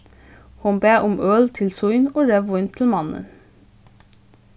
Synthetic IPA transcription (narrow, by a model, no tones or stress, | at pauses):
hʊmbeːʔʊmœːlt̪ʰɪlsʊʏnoːɹɛʋʊʏnt̪ʰɪl̩mɑnə̰n